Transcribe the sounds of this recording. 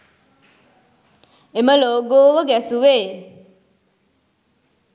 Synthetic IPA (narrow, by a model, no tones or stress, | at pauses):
eməloːɡoːʋəɡæsuʋeː